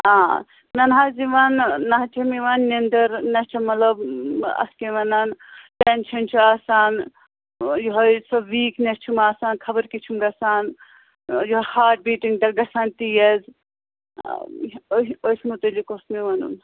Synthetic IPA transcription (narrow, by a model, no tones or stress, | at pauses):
ãː | nɐnɦaziʋanːɐɦt͡ʃʰimiʋanːend̪əɾnɐɦt͡ʃʰɐmɐlɐbɐ̰skeʋɐnanʈent͡ʃʰɐnt͡ʃʰuaːsaːn | joɦosɐʋiːknɐst͡ʃʰumaːsaːnkʰɐbəɾkit͡ʃʰumɡɐsaːn | joɦhaːʈ̚biːʈiŋɖɐɡɐsaːnt̪ijɐz | oojsmut̪ɐlikosmiʋɐnṵn